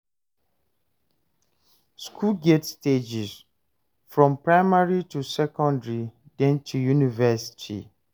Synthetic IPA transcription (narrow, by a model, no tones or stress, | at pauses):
skʰulɡetsted͡ʒis | fɹɔ̃mpɹaɪmaɹitusɛkɔ̃ndɹidɛ̃ntʰujunivɛsi̥tʰḭ